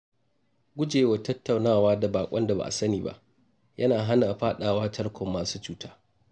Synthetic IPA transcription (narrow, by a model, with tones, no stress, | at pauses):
ɡʷʊ˦d͡ʒeː˨wa˨tɐ˦tːa˨wnaː˦˨waː˦da˨baː˨kʷʼɐ˦nda˨ba̰˨ʔa̰˨sɐ˦niː˨ba̰˦ʔ | jʔɐ˦naː˨ɦa˦na˨ʔɸaː˦ɗaː˨waː˦tɐ˦ɽkʷɔ˨mːaː˨suː˦t͡ʃuː˦taː˦